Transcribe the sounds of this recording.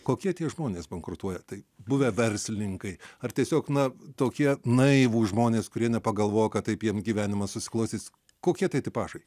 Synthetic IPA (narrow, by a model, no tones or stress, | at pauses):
koːkʲiɛt̪ʲiɛʒmoːnʲeːsbɐŋkɾʊt̪uɔjɛt̪ɐɪbʊʋʲɛʋʲɛɾʲsʲlʲɪnʲɪŋkɐɪɐrt̪ʲiɛsʲoːknɐt̪oːkʲiɛnɐɪʋuːʒmoːnʲeːskʊɾʲiɛnʲɛpɐɡɐlˠʋoːjokɐtt̪ɐɪpjiɛmsɡʲiːʋʲæːnʲɪmɐssʊsʲɪ̥klˠɐʊsʲiːs | koːkʲiɛt̪ɐɪt̪ɐɪpɑːʃɐɪ